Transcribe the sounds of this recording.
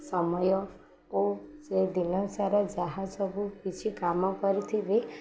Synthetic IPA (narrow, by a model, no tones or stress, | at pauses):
sɔmɔjɔ | osed̪inɔsaɾɔd͡ʒaɦazɔbuɦit͡ʃʰikamɔkɔɾit̪ʰibe